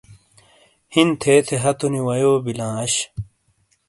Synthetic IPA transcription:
hint̪ʰeːt̪ʰeɦɐt̪uniwɐjoːbilãːɐɕ

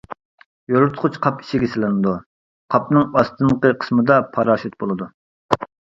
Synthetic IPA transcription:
joɾʊɾt̪ʰqʰʊt͡ʃqʰɑpi̥ʃiɡʲɛsɪlɪnɨd̪u | qʰɑpnɨŋɑst̪ʰɨnqəqʰə̥smɨd̪ɑpʰɑɾɑːʃit̪̚bolˠɨd̪u

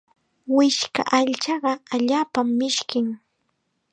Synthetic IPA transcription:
wɪʃka̰ʔaʎt͡ʃɑɢɑaʎaːpamːɪʃkɪŋ

